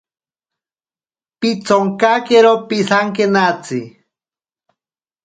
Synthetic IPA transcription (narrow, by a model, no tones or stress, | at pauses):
pit͡soŋkakeɾopisaŋkenat͡si